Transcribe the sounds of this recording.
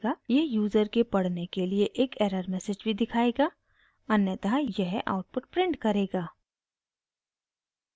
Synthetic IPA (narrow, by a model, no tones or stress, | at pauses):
ɡajeɦjuːzəɾkepɐɽ̤nekelieʔeːkeːɾəɾmɛːsed͡ʒbʱid̪ɪkʰaːeːɡaː | ɐnjət̪ɐɦjɛɦʔa̰ːʊʈ̚pʊʈ̚pɾɪ̃ɳɖkɐɾeːɡaː